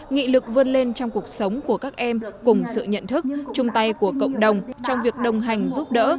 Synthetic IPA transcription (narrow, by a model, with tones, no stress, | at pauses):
ŋḭ˧˨lɨ˨˩k̚və˧nle˧nt͡ɕɔ˧wŋ͡mku˨˩ək̚sə˨˦wŋ͡mku˧˩əkaː˦˥k̚ʔɛ˧mkʊ˨˩ŋ͡msɨ̰˧˨ɲə̰˧˨nt̪ʰɨ˦˥k̚t͡ɕʊ˧ŋ͡mt̪a˧jku˧˩əkə̰˧˨wŋ͡mɗə˨˩wŋ͡mt͡ɕɔ˧wŋ͡mvi˨˩ək̚ɗə˨˩wŋ͡mɦa˨˩jŋ̟zu˦˥p̚ɗə̰ː˧˥